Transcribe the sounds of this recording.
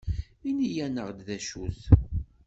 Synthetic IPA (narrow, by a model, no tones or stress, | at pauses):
inijænəʁd̪ðæʃuθ